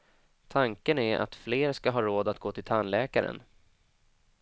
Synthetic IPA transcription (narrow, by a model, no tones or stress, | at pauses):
t̪ʰaŋkənæɾʔa̰t̪fleːɾskaɦɑːɾoːd̪at̪ɡoːt̪ʰɪlt̪ʰanlɛːkaɾə̰n